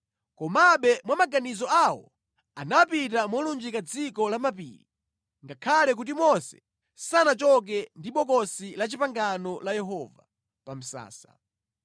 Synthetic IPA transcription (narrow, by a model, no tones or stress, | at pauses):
kɔmaɓɛmwamaɡanizɔawɔ̰ | anapitamɔlund͡ʒikad͡zikɔlamapḭːɾi | ŋɡakʰalɛk̬ut̬imɔsɛ̥̰ | sanat͡ʃɔk̬ɛndiɓɔkɔsilat͡ʃipaŋɡanɔlajɛɦɔva̰ | pam̩sa̰ːsa̰